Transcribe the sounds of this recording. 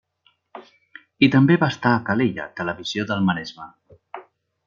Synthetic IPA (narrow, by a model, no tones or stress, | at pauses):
it̪əmbeβaːst̪aːkaleʎa̰t̪ələβiz̥joðəlˠmənɛzma